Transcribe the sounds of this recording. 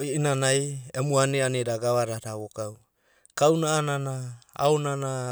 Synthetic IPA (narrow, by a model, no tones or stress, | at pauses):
inanajemuaneanedaɡaβaɾaɾaβokaw | kawnaːnanaa̰onana